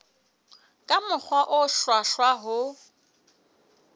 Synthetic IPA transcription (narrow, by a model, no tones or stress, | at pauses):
kʼamʊk͡xʰwaʔʊʃwaʃwaɦʊ